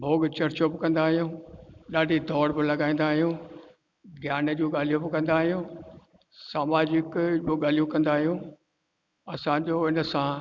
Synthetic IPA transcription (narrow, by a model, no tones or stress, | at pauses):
bʱoːɡt͡ɕɐɾt͡ɕobɪkɐ̃nd̪aːɦijũːɗaːɖʱid̪ʱɔːɾbɪlɐɠaːĩːnd̪aːɦijũː | ɡʱjaːnəd͡ʑoːɠaːl̤ijũbɪkɐ̃nd̪aːɦijũː | saːmaːd͡ʑɪkd͡ʑoːɠaːl̤ijũkɐ̃nd̪aːɦijũː | ɐsãd͡ʑoːɪnəsã